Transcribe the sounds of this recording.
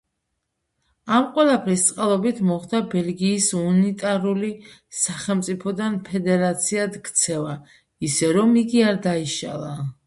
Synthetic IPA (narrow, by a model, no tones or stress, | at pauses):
amqʼwɛlˠapʰɾist̪sʼqʼalˠɔbit̪ʰmɔχd̪abɛlɡiːsunit̪ʼaɾuli | saχɛlˠmt̪sʼipʰɔd̪anpʰɛd̪ɛɾat̪sʰiad̪ɡt̪sʰɛva | isɛɾɔmiɡiaɾd̪aiʃa̰lˠa